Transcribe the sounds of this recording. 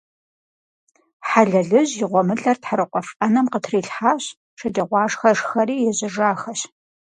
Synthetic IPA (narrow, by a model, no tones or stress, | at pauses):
ħaɮɐɮɨʑjɪʁʷɔmɨɬɐrtħaɾɨqʷʼɔfʔɐnɐmqətʰriːɬħaːɕ | ʂɐdʼɐʁʷɑːʂxɐʂxɐɾiːjɛʑɪʐaːxɐɕ